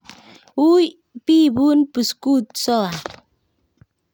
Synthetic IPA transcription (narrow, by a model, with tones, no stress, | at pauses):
wu˦j | pi˦bu˦npə˨sku˦t̪̚sɔ˦la˨